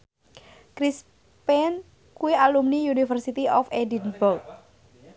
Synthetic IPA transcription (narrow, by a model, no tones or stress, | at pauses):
kɾis | pɛn | kuwealumniunifərsit̪iʔɔfedinbɔrk̚